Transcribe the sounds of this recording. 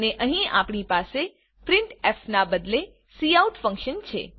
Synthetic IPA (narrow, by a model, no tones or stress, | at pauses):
neʔəɦĩa̰pɳipase | pɾɪɳʈɛfnabəd̪le | siauʈfə̃ŋkʃənt͡ʃʰḛ